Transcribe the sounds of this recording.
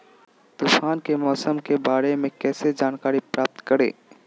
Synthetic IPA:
t̪uːfaːnkemɔːsəmkebaːɾemẽkɛːsed͡ʒaːnkaːɾipɾaːp̚t̪kəɾḛː

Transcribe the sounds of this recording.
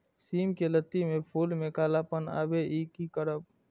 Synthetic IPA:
siːmkelət̪ːimẽpʰuːlmẽkaːlapəna̰ːbeʔiːkikəɾəp̚

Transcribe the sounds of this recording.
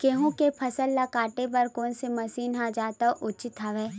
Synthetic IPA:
keːɦũkepʰɐsəlːakaːʈep̬ɐɾkoːnsemɐsiːnɦãd͡ʒaːt̪aʔʊt͡ʃɪt̪aʋɛː

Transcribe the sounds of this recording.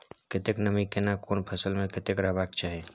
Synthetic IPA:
kɪt̪ɪknəmikenakoːnpʰəsəlmẽkɪt̪ɪkɾaːbaːk̚t͡ʃaːɦeː

